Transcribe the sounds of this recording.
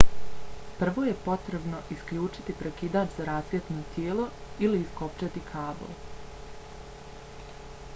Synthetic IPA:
pr̩ʋoːje̞po̞t̪ɾe̞bno̞ʔiskʎuːt͡ʃi̥t̪ipɾekid̪aːt͡ʃzaɾasjet̪not̪jeːlo̞iliːskopt͡ʃat̪ikʰaːbo̰l

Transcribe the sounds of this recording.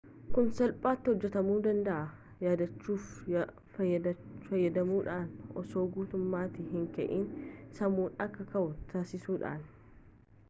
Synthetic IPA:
kʊnsɐlpʼaːt̪ːɪhɔd͡ʒːɛt̪ɐmuːd̪ɐnd̪ɐʔɐ | jaːd̪ɐt͡ʃːuːf | fɐjːɐd̪ɐmuːᶑaːnʔɔso̞ːɡuːt̪ʊmːaːt̪ɪɦɪŋkɐʔiːnsɐmuːnɐkːɐkɐʔʊt̪ʰaːsɪsuːᶑa̰ːn

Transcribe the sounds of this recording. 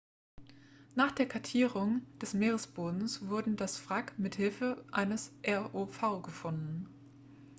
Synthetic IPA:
naːχd̥eːɐkʰaɐtʰiːʁʊŋd̥ɛsmeːʁ̞əsb̥oːdn̩sv̥ʊɐdn̩dasfʁ̥akmɪthɪlfəʔaɪnəsʔɛɐʔoːfaʊɡəfʊndn̩

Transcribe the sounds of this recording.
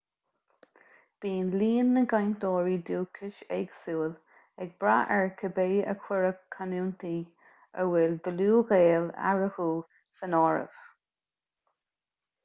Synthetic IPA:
b̥iːnliːnːəɡajnd̪ɔːɹiːd̪uːkʰɪʃɛɡsuːl | ɛɡ̚bɾaʔɛɹkʰəbeːə̰kʰwɪɹəkʰːanuːnt̪iː | ə̰wɛld̪əluːɣeːla̰ɹəhuː | sənɔːɹə̰v̥

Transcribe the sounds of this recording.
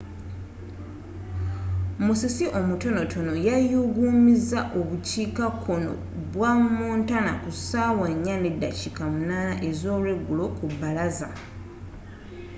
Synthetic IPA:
musisiʔo̞muto̞no̞tʰo̞no̞jajuɡuːmizaʔo̞βuciːkakʰːo̞no̰ | βwamuːntana̰kusawaɲːane̞dːa̰cikamunaːnaʔe̞zo̞ːlweɡːulo̞kubːalaza

